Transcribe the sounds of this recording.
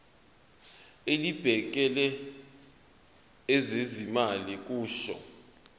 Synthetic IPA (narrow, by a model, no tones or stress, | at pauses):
elib̥ʱɛk̬ʼɛlɛ | zezimalik̬ʼuːʃɔ̰